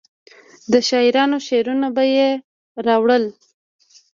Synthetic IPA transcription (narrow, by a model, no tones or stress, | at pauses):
d̪əʃɑɪɾɑnoʃeɾunabaje | ɾɑwɽəl